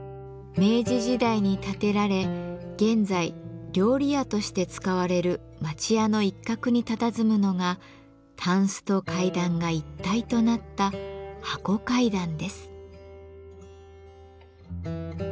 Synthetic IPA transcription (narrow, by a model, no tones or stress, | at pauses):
me̞ːʑiʑid̪aiɲ̟it̪at̪e̞ɾaɾe̞ɡ̥ẽ̞nzaiɾʲo̞ːɾʲiat̪o̞ɕi̥t̪e̞t͡sɨ̥kaβaɾe̞ɾɯ̟ | mat͡ɕiano̞ikːakɯ̟ɲ̟it̪at̪azɨmɯ̟no̞ɡa | t̪ʰãɰ̃sɨ̥t̪o̞kaid̪ãŋɡait̪ːait̪o̞nat̪ːahako̞kaid̪ãnd̪e̞sɨ̥